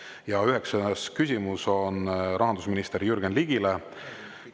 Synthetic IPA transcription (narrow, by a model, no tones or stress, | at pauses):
jɑyɦe̞kseneskysʲimuso̞nɾʔɑɦɑnd̪usminist̪e̞ɾjyrɡ̥enliɡ̥ile